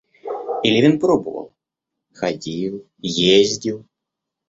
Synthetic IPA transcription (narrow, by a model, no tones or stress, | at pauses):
ɪlʲɪvʲɪnpɾobəvə̰lˠ | xɐdʲilˠ | jezʲdʲilˠ